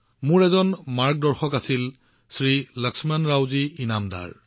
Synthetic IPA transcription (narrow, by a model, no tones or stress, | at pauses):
mʊɹɛzɔnmaɹk̚dɔɹxɔkasil | sɹiləksmanɹawziinamda̰ɹ